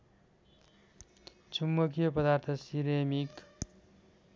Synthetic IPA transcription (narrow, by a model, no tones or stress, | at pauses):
t͡sʰumːʌkijʌpʌd̪art̪ʰʌsiɾemik